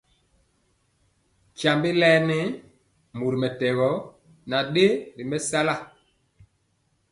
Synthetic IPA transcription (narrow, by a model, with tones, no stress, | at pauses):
ca˨mbe˦lɛ˦nɛ˦ | mu˨ɾi˨mɛ˨tɛ˨ɣɔ˨˦ | na˨ɗe˦ɾi˨mɛ˦sa˦la˦˨